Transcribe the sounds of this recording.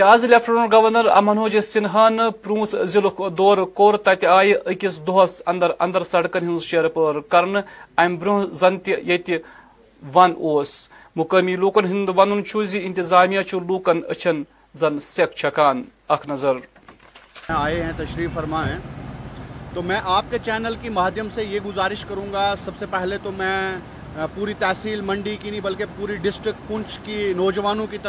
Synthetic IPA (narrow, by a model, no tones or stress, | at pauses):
t̪iaːzilʲefʰʈɐnɾɡɐʋɐɾnɐɾɐ̰mɐnuːd͡ʒisinɦɐnɨpɾũːszilukʰd̪oːɾkoːɾt̪ɐt̪iaːjiʔəkʲisd̪oɦɐsɐnd̪ɐɾɐ̰nd̪ɐɾsɐɽkɐnɦinzʃeːɾpəɾkɐɾɳɨɐmbɾuɦzɐnt̪ijɐt̪i | ʋɐnoːs | mukəmiːluːkɐnɦind̪ʋɐnunt͡ʃʰuziint̪izaːmijɐt͡ʃʰuluːkɐnə̰t͡ʃʰɐn | zɐnsek̚ʰt͡ʃʰɐkaːn | ɐkʰnɐzɐɾ | aːeɦɛ̃t̪ɐʃɾiːkfɐɾmaːɦɛ̃ː | t̪omɛ̃ːʔaːp̚ket͡ʃɛːnəlkimaːd̪ʱjəmsejeɡʊzaːɾɪʃkɐɾũːŋɡasɐbsepɛɦlet̪omɛ̃ | puːɾit̪ɛːsiːlmɐ̃ɳɖikinɐĩbɐlkepuːɾiɖɪsʈɾɪk̚ʈpʊ̃nt͡ʃkinɔːd͡ʒʋaːnõkit̪ɐ